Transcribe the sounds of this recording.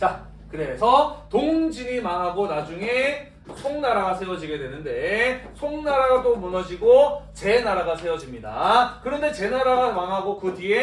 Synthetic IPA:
t͡ɕa | kɯɾe̞sʰʌtoŋd͡ʑiɲimaŋɦaɡonad͡ʑuŋe̞ | sʰoŋnaɾaɡasʰe̞wʌd͡ʑiɡe̞dwenɯnde̞sʰoŋnaɾadomunʌd͡ʑiɡot͡ɕe̞naɾaɡasʰe̞wʌd͡ʑimɲida̰kɯɾʌnde̞t͡ɕe̞naɾaɡamaŋɦaɡokɯtie

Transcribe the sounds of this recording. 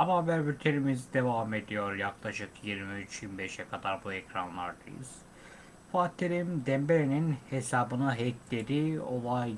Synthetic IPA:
amavæɾbyɾt̪ʰeɾimizd̪e̞vame̞d̪ijo̞ɾjaklˠaʃɯkjiɾmiyt͡ʃimbɛʃɛkʰad̪aɾbuɛcɾanlˠaɾd̪a̰jɯ̰z̥ | faːt̪ʰːeɾimd̪ɛmbeɾeninhesaːbɯnɯɦɛclʲeɾio̞̰lˠaj

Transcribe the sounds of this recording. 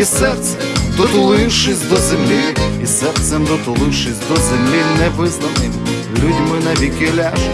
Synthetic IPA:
isɛrt̪sɛd̪ɔt̪ʊlˠɪwʃɪsʲd̪ɔzɛmlʲiisɛrt̪sɛmd̪ɔt̪ʊlˠɪwʃɪsʲd̪ɔzɛmlʲinɛʋɪznɐwnɪm | lʲudʲmɪnɐʋʲikʲɪlʲaʒ

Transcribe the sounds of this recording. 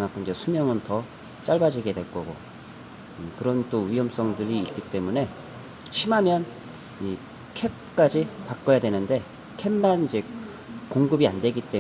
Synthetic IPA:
ŋak͈ʰɯnid͡ʑe̞sʰumjʌŋɯntʌ | t͡ɕ͈aɭbad͡ʑiɡedwe̞ɭk͈ʌɡo̰ | ɯkɯɾʌnt͈oijʌms͈ʌŋdɯɾiːk͈it͈e̞mune̞ | ɕʰimamjʌn | i | kʰe̞p̚k͈ad͡ʑipak͈ʌjadwe̞nɯnde̞ | kʰemːanid͡ʑe̞ | koŋɡɯbiandwe̞ɡit͈e̞

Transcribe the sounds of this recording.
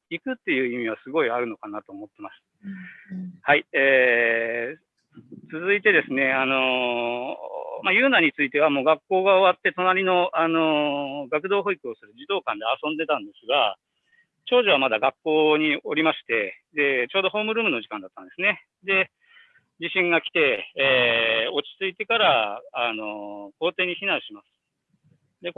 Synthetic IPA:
ikɯ̟t̪ːe̞jɯ̟ːimʲiβasɨɡo̞iaɾɯ̟no̞kanat̪o̞ːmo̞t̪ːe̞masɨ̥ | haieː | t͡sɨzɨit̪e̞d̪e̞sɨne̞ano̞ | majɯ̟ːnaɲ̟it͡sɨit̪e̞βamo̞ːɡakːo̞ːɡao̞βat̪ːe̞t̪o̞naɾʲino̞ano̞ɡakɯ̟d̪o̞ːɦo̞ikɯ̟o̞sɨɾɯ̟d͡ʑid̪o̞ːkãnd̪easõ̞nd̪e̞t̪ãnd̪e̞sɨɡa | t͡ɕo̞ːʑiβ̞amad̪aɡakːo̞ːɲ̟io̞ɾʲimaɕi̥t̪e̞d̪e̞t͡ɕoːd̪o̞ɦo̞ːmɯ̟ɾɯ̟ːmɯ̟no̞ʑikãnd̪at̪ːãnd̪esɨne̞ | d̪e̞ | d͡ʑiɕĩŋɡakʲi̥t̪e̞ː | o̞t͡ɕi̥t͡sɨit̪e̞kaɾaano̞ko̞ːt̪e̞ːɲ̟içinãɰ̃ɕimasɨ̥ | d̪e̞

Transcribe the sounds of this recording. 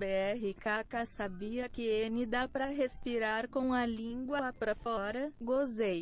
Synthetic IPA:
beɛɦɪkakasabiɐkɪenɪd̪apɾɐɦespiɾaɾkõw̃ɐlĩɡwɐpɾɐfɔɾɐɡozej

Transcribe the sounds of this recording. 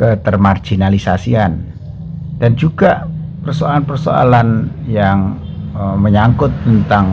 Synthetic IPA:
kət̪ərmard͡ʒ̥inalisasian | d̥and͡ʒuɡaʔpərsoalanpərso̰a̰lanjaŋ | əməɲaŋkʊt̪ːənt̪aŋ

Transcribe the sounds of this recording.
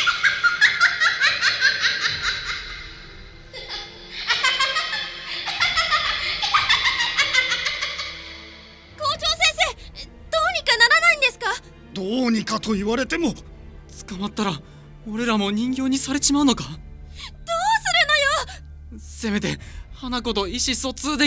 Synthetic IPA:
ko̞ːt͡ɕo̞ːsẽɰ̃se̞ː | d̪o̞ːɲ̟ikanaɾanaĩnd̪e̞sɨ̥ka | d̪oːɲ̟ikat̪o̞iβaɾe̞t̪e̞mo̞t͡sɨ̥kamat̪ːaɾa | oɾe̞ɾamo̞ɲ̟ĩŋɡʲo̞ːɲ̟isaɾe̞ɕimaɯ̟no̞ka | d̪̥oːsɨɾɯno̞jo | se̞me̞t̪e̞hanako̞t̪o̞iɕiso̞t͡sɨːd̪e̞

